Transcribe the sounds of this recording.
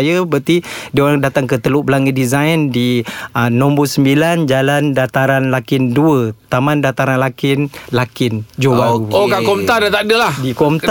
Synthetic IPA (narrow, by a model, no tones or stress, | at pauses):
jəbət̪idioɾaŋdat̪aŋkət̪əluʔbəlaŋɡədizajndiənɔ̃mbusəmbiland͡ʒalandat̪aɾanlakɪnduət̪amandat̪aɾanlakɪnlakɪnd͡ʒowauokakɔmt̪adat̪adəlahdikɔmt̪